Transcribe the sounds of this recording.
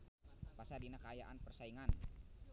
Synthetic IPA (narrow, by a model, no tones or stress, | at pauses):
pasadinakəajaʔanpərsaiŋan